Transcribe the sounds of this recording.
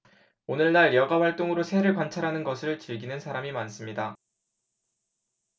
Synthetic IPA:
onɯɭnaɭjʌɡaɸwaɭt͈oŋɯɾosʰe̞ɾɯɭkwant͡ɕʰaɾɦanɯnɡʌsʰɯɭt͡ɕiɭɡinɯnsʰaɾamimans͈ɯmɲida

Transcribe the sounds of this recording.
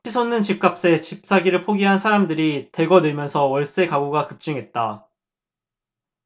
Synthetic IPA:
t͡ɕʰisʰonɯnt͡ɕip̚k͈ap̚s͈e̞t͡ɕip̚s͈aɡiɾɯɭpʰoɡiɦansʰaɾamdɯɾite̞ɡʌnɯɭmjʌnsʰʌwʌɭs͈e̞kaɡuɡakɯp̚t͡ɕ͈ɯŋɦe̞t̚t͈a

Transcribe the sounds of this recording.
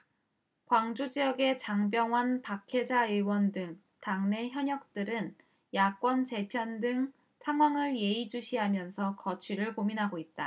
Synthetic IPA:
kwaŋd͡ʑud͡ʑiʌɡe̞t͡ɕaŋbjʌŋɦwanpakʰe̞d͡ʑaɯɭwʌndɯŋ | taŋne̞çjʌɲʌk̚t͈ɯɾɯn | jak͈wʌnt͡ɕe̞pʰjʌndɯŋ | sʰaŋwaŋɯɭje̞id͡ʑuɕʰiɦamjʌnsʰʌkʌt͡ɕʰɥiɾɯɭkominɦaɡoit̚t͈a

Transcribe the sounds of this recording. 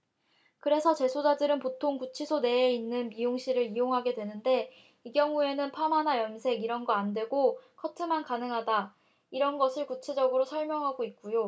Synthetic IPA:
kɯɾe̞sʰʌt͡ɕe̞sʰod͡ʑadɯɾɯnpotʰoŋkut͡ɕʰisʰone̞einːɯnmijoŋɕʰiɾɯɾijoŋɦaɡe̞dwe̞nɯnde̞ | iɡjʌŋue̞nɯnpʰamɦanajʌnsʰe̞ɡiɾʌnɡʌandwe̞ɡokʰʌtʰɯmankanɯŋɦada | iɾʌnɡʌsʰɯɭkut͡ɕʰe̞d͡ʑʌɡɯɾosʰʌɭmjʌŋɦaɡoik̚k͈ujo

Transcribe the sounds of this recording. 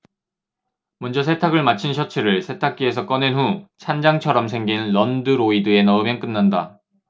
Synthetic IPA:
mʌnd͡ʑʌsʰe̞tʰaɡɯɭmat͡ɕʰinɕʰʌt͡ɕʰɯɾɯɭsʰe̞tʰak̚k͈ie̞s̬ʰʌk͈ʌnenɦut͡ɕʰand͡ʑaŋt͡ɕʰʌɾʌms̬ʰe̞ŋɡinlʌndɯɾoidɯe̞nʌɯmjʌnk͈ɯnːanda

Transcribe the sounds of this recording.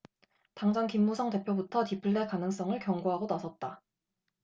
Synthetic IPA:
taŋd͡ʑaŋkimːusʰʌŋte̞pʰjobutʰʌtipʰɯɭːekanɯŋs͈ʌŋɯɭkjʌŋɡoɦaɡonasʰʌt̚t͈a

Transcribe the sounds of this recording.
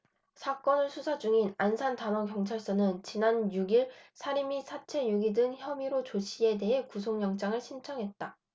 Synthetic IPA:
sʰak͈ʌnɯɭsʰusʰad͡ʑuŋinansʰantanʌŋkjʌŋt͡ɕʰaɭs͈ʌnɯnt͡ɕinanjuɡiɭsʰaɾimisʰat͡ɕʰe̞juɡidɯŋçjʌmiɾot͡ɕoɕʰie̞de̞ɦe̞kusʰoŋjʌŋt͡ɕ͈aŋɯɭɕʰint͡ɕʰʌŋɦe̞t̚t͈a

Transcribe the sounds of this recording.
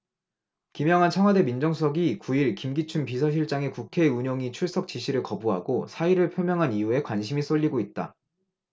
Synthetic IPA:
kimjʌŋɦant͡ɕʰaŋɦwade̞mind͡ʑʌŋsʰʌɡikuiɭkimɡit͡ɕʰumpisʰʌɕ̬ʰiɭt͡ɕ͈aŋe̞kukʰe̞uɲoŋit͡ɕʰuɭs͈ʌk̚t͡ɕ͈iɕʰiɾɯɭkʌbuɦa̰ɡosʰaiɾɯɭpʰjomjʌŋɦanijue̞kwanɕʰimis͈oʎːiɡoit̚t͈a̰

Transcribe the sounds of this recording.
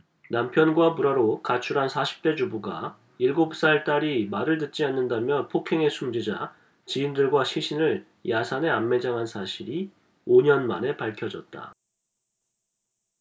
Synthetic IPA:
nampʰjʌnɡwapuɾaɾokat͡ɕʰuɾɦansʰaɕʰi̥p̚t͈e̞d͡ʑubuɡa̰ | iɭɡop̚s͈aɭt͈aɾimaɾɯɭt̬ɯt̚t͡ɕ͈ianːɯndamjʌnpʰokʰe̞ŋe̞sʰumd͡ʑid͡ʑa̰ | t͡ɕiːndɯɭɡwaɕʰiɕʰinɯɭ | jasʰane̞amːe̞d͡ʑaŋɦansʰaɕʰiɾi | oɲʌnma̰ne̞paɭkʰjʌd͡ʑʌt̚t͈a̰

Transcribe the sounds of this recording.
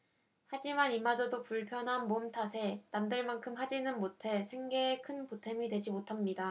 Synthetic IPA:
had͡ʑimanimad͡ʑʌdopuɭpʰjʌnɦanmomtʰasʰe̞namdɯɭmaŋkʰɯmɦad͡ʑinɯnmotʰe̞sʰe̞ŋɡe̞ːkʰɯnpotʰe̞midwe̞d͡ʑimotʰamɲida

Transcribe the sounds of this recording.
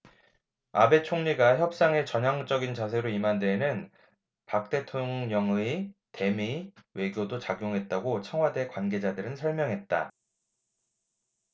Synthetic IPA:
abe̞t͡ɕʰoŋɲiɡaçjʌp̚s͈aŋe̞t͡ɕʌɲaŋt͡ɕ͈ʌɡint͡ɕas̬ʰe̞ɾoimande̞nɯn | pak̚t͈e̞tʰoŋɲʌŋɯite̞miwe̞ɡjodot͡ɕaɡjoŋɦe̞t̚t͈aɡot͡ɕʰʌŋwade̞kwanɡe̞d͡ʑadɯɾɯnsʰʌɭmjʌŋɦe̞t̚t͈a

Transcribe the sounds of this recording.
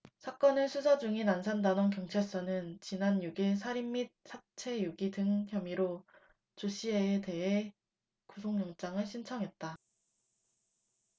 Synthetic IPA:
sʰak͈ʌnɯɭsʰusʰʌd͡ʑuŋinansʰandanonkjʌŋt͡ɕʰeɭs͈ʌnɯnt͡ɕinanjuɡiɭs̬ʰaɾimːit̚sʰat͡ɕʰejuɡidɯŋçjʌmiɾo | t͡ɕoɕʰieːte̞ɦe | kusʰoŋɲʌŋt͡ɕ͈aŋɯɭɕʰint͡ɕʰʌŋɦe̞t̚t͈a

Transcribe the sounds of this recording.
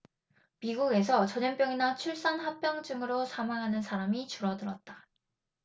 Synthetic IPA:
miɡuɡe̞s̬ʰʌt͡ɕʌɲʌnp͈jʌŋinat͡ɕʰuɭs͈anɦak̚p͈jʌŋd͡ʑɯŋɯɾosʰamaŋɦanɯnsʰaɾamit͡ɕuɾʌdɯɾʌt̚t͈a

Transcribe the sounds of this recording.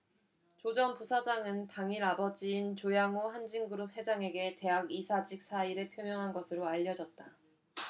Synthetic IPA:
t͡ɕod͡ʑʌnpusʰad͡ʑaŋɯntaŋiɾabʌd͡ʑiːnt͡ɕojaŋohand͡ʑiŋɡɯɾup̚he̞d͡ʑaŋe̞ɡe̞te̞ɦaɡisʰad͡ʑik̚s͈ʰaiɾɯɭpʰjomjʌŋɦanɡʌsʰɯɾoaʎːʌd͡ʑʌt̚t͈a

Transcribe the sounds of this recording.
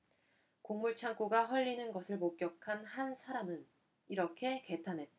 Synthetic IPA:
koŋmuɭt͡ɕʰaŋk͈uɡaɸwʌʎːinɯnɡʌsʰɯɭmok̚k͈jʌkʰanhansʰaɾamɯn | iɾʌkʰe̞ke̞tʰanɦe̞t̚t͈a

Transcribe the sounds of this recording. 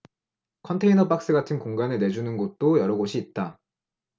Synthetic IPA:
kʰʌntʰe̞inʌp͈ak̚s͈ɯɡatʰɯnkoŋɡanɯɭne̞d͡ʑunɯnɡot̚t͈ojʌɾʌɡoɕʰiːt̚t͈a

